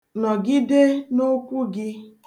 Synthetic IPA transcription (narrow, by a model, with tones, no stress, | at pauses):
nɔ˨ɡɪ˦de˦no˦kʷu˦ɡɪ˦